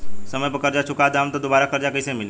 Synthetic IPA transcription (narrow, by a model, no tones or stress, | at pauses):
səməjpəkəɾd͡ʒat͡ʃʰʊkad̪aːmt̪od̪obaːɾakəɾd͡ʒakəsẽmɪn